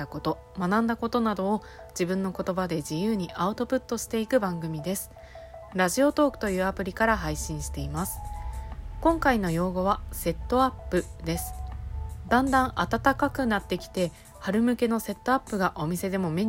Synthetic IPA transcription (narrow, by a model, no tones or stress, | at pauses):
ako̞t̪o̞ | manãnd̪ako̞t̪o̞nad̪o̞ː | d͡ʑibɯ̟̃nːo̞ko̞t̪o̞bad̪e̞ʑijɯːɲ̟iʔaɯ̟t̪o̞pɯ̟t̪ːo̞ɕi̥t̪e̞ikɯ̟bãŋɡɯ̟mʲid̪e̞sɨ̥ | ɾaʑio̞t̪o̞ːkɯ̟̥t̪o̞jɯ̟ːapɯ̟ɾʲikaɾaɦaiɕĩɰ̃ɕi̥t̪e̞imasɨ̥ | kõ̞ŋkaino̞jo̞ːɡo̞βase̞t̪ːo̞apːɯ̟d̪e̞sɨ̥ | d̪ãnd̪ãɰ̃ʔat̪at̪akakɯ̟nat̪ːe̞kʲi̥t̪e̞ | haɾɯ̟mɯ̟ke̞no̞se̞t̪ːo̞apːɯ̟ɡaʔo̞mʲise̞d̪e̞mo̞me̞